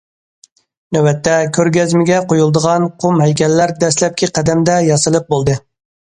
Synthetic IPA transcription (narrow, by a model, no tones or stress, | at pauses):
nøwɛt̪ʰːɛkʲʰøɾɡʲɛzmɪɡʲɛqʰojulˠd̪əʁɑnqʰomɦɛjkʲɛlːæɾd̪ɛslɛp̚ʲkʲʰiqʰæd̪ɛmd̪ɛjɑsɨlˠɨp̚bolˠd̪ɨ